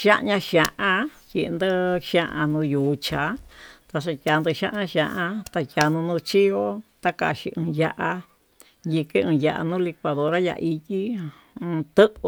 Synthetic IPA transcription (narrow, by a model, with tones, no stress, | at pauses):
ʃã˦ʔɲã˧ʃã˧ʔã˧ki˧˨˧nd̪ɨ˦ʃã˦ʔã˧nũ˧juː˨˧t͡ʃa˨˦t̪a˧ʂ̬a˧kʲa˨˧nd̪ɨ˧ʃã˦ʔɲã˧ʃã˧ʔã˧t̪a˧kʲa˨˧nũ˧nũ˧t͡ʃi˦o˦t̪a˦ka̰˧˨ʃi˧ʔɨ̃˧ja˧ʔa˧ | ji˧ke˦ɨ̃˧ja˧˨ʔa̰˧nũː˦li˧kʷa˧ðo˧ɾa˦ja̰˧i˧ti˦ | ɨ̃˧t̪ɨ˦ʔ